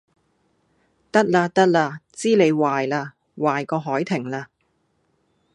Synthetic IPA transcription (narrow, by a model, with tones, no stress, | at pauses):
t̪ɐ˥k̚laː˧t̪ɐ˥k̚laː˧t͡siː˥le˨˧jwaː˨jlaː˧ | waː˨jkɔː˧ɦɔː˨˥jt̪ʰɪ˨˩ŋlaː˧